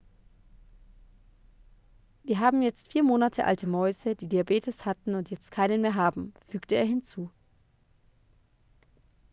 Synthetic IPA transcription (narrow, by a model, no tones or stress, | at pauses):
viːɐɦaːbm̩jɛt͡stfiːɐmoːnatʰəʔa̰ltʰəmɔʏzəd̥iːdiabeːtʰəshatn̩ʊntjɛt͡stkʰaɪnənmeːɐɦaːbm̩fyːktəḛːɐɦɪnt͡suː